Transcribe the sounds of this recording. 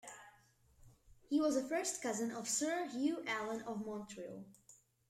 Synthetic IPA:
hiwʌzəfɜ˞stkʰʌzə̃nʌv̥sɜ˞hjʉʔælˠə̃nʌvmɑ̃ntʰɹilˠ

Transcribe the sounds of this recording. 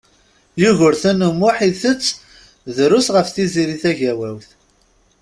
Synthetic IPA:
juʝəɾθænəmːʊħiθət͡sː | ðɾʊsʁəfθiziɾiθæʝæwæwθ

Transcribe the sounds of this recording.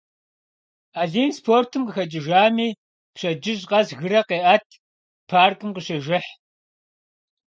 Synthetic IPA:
aːɮiːnspʰoːrtʰɨmqəxɐd͡ʒʼɪʒaːmiː | pɕɐd͡ʒɪʑqɐzɣɨɾɐqeːʔɐtʰ | pʰaːrkʼɨmqəɕɐʒɪħ

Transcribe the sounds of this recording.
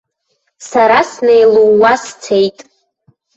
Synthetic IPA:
saɾasnejluːast͡sʰejtʼ

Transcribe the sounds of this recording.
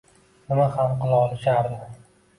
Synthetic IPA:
ʊnahamqɨlˠɒlˠɪʃaɾd̪ɪ

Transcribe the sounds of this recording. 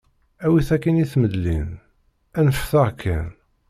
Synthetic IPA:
æwiθækːəniθməd̪lin | ænəfθaʁkʰːæn

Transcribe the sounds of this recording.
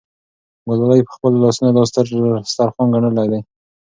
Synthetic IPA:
ɡolɑlajpə̥xpəlolɑsunod̪ɑs̬t̪əɾst̪aɾxɑnɡaɳəlajd̪aj

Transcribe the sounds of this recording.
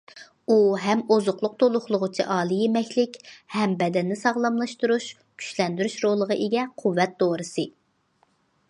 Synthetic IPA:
uɦɛmozʊqlˠʊq̚t̪ʰolˠʊχlˠʊʁʊt͡ʃʰiʔɑːlˠɨjemɛkʲlɪkʲhɛmbɛd̪ɛnːɪsɑʁlˠɑmlˠɑʃt̪uɾuʃ | kʲʰy̥ʃlɛnd̪yɾyʃɾolˠːəʁɑʔeɡʲɛqʰuwːɛt̪̚d̪oɾɨsɨ

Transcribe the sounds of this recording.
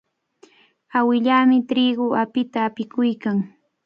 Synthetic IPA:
awɪʎaːmɪt̪ɾiɢoapɪt̪aːpɪkʊjkaŋ

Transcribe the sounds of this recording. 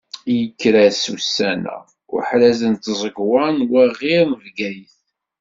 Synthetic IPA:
jəkːɾæsṵsːænæ̰ | ʊ̰ɾħɾæzənt̪zˤəɡwɑnwæʁiɾnəvɡæjəθ

